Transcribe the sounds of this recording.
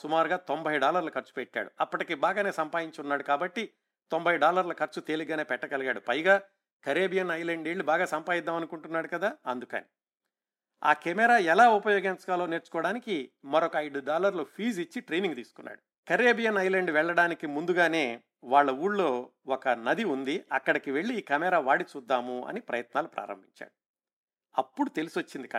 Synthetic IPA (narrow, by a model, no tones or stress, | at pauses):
sumaːɾuɡaːt̪ombʱɐjɖaːlɐɾlɐkɐɾt͡ʃu̥pɛʈːa̰ːɽuɐpːɐʈikeːbaːɡaːne̞ːsɐmpaːj̪iɲt͡ʃunːaːɽukaːbɐʈːi | t̪ombʱɐjɖaːlɐɾlɐkɐɾt͡ʃut̪e̞ːliɡaːne̞ːpɛʈːɐkɐlɐɡaːɽupɐjɡaː | kɐɾeːbijɐnɐjleɳɖeːɭːibaːɡaːsɐmpaːjid̪ːaːmɐnukuɳʈunːaːɽukɐd̪aːɐnd̪ukɐ̰nḭ | a̰ːkemɛɾaːɛlaːupɐjoːɡent͡ʃɐ̥kaːlo̞ːne̞ːɾt͡ʃu̥kɔːɽaːnikimɐɾɔkɐɐjɽuɖaːlɐɾloːpʰiːd͡ʒit͡ʃːiʈɾe̞jniŋɡt̪ḭːsu̥kunːa̰ːɽu | kɐɾeːbijɐnɐjleɳɖʋɛɭːɐɽaːnikimund̪uɡaːne̞ː | ʋaːɭːɐuːɽlo̞ː | ɔkɐnɐd̪iund̪iɐkːɐɽɐkiʋe̞ɭːiːkɐmɛɾaːʋaːɽit͡ʃuːd̪ːaːmuɐ̰nipɾɐ̰jɐt̪naːlupɾa̰ːɾɐ̰mbʱiɲt͡ʃa̰ːɽu | ɐpːuɽut̪e̞lisʋot͡ʃːind̪ik